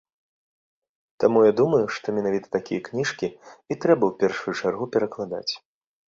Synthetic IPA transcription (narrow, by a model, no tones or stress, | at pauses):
t̪amujad̪umɐjuʂt̪ɔmʲɛnavʲit̪ɐ̥t̪akʲijɐknʲiʂkʲiit̪ɾɛbɐwpʲɛrʂujut͡ʂarɣupʲɛɾɐklˠad̪a̰t͡sʲ